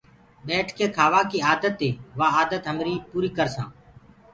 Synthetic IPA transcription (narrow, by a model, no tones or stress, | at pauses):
ɓeːʈʰkʰeːkʰaːʋaːkiːaːd̪ət̪ːeːʋaːaːd̪ət̪ɦəmɾiːpuːɾiːkəɾsã̰ː